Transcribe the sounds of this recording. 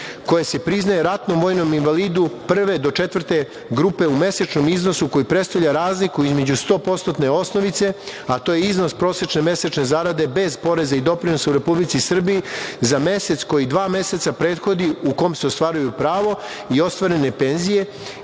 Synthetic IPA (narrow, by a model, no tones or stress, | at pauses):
ko̞jese̞pɾiznajeɾat̪nomo̞ːjnominʋaliːd̪upr̩ʋe̞d̪o̞t͡ʃe̞t̪vər̩t̪e̞ | ɡɾuːpe̞ume̞set͡ʃno̞mizno̞suko̞jipɾest̪aʋʎaɾaːzlikuizme̞d͡ʑust̪o̞ːpo̞t̪st̪ot̪ne̞o̞sno̞ʋit̪se̞at̪oːjeizno̞spɾo̞ːset͡ʃne̞me̞set͡ʃne̞zaɾad̪e̞be̞zpo̞ɾe̞zaid̪o̞pɾino̞sauɾe̞publitsisr̩bijizame̞se̞t̪sko̞jid̪ʋaːme̞se̞t̪sapɾeːd̪xo̞d̪iuko̞mseo̞st̪ʋaːɾujupɾaːʋo̞ | io̞st̪ʋaɾe̞ne̞penzije̞